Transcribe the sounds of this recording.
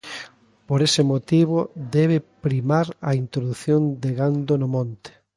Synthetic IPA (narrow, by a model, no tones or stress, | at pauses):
poɾesɪmot̪iβ̞od̪ɛβ̞epɾimaɾɐ̰int̪ɾoðuθjond̪eɣand̪onʊmõnt̪e̥